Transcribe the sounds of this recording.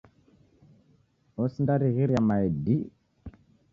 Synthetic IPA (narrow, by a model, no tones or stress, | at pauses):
osndaɾiɣiɾjamajedi